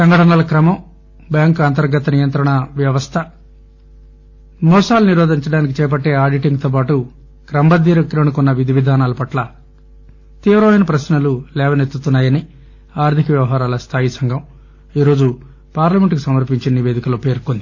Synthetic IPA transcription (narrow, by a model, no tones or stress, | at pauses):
sɐŋɡɐʈɐnaːlɐkɾɐmɐm | bjaːŋkɐnt̪ɐɾɡɐt̪ɐnijɐnt̪ɾɐɳɐʋjɐʋɐst̪ʰɐ | mɔːsaːluniɾɔːd̪iɲt͡ʃɐɽaːnikit͡ʃɛːp̬ɐʈːe̞ːaːɾɖiʈiŋɡt̪oːp̬aːʈu | kɾɐmbɐd̪iːɾɐkɾɐɳukunːɐʋid̪ʱiʋid̪ʱaːnaːlɐpɐʈlɐ | t̪iːʋɾɐʋɐjnɐpɾɐsnɐlulɛːʋɐnet̪ːut̪unːaːjɐni | aːɾd̪ʱikɐʋjɐʋɐɦaːɾaːlɐst̪ʰaːjisɐŋɡʱɐm | iːɾo̞ːd͡ʒu | paːɾlɐme̞ɳʈkusɐmɐɾpiɲt͡ʃiɐniʋe̞ːd̪ikɐloːpe̞ːɾkond̪i